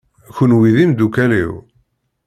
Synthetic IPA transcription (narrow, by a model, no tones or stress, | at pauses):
çənwiðimd̪ukælḭw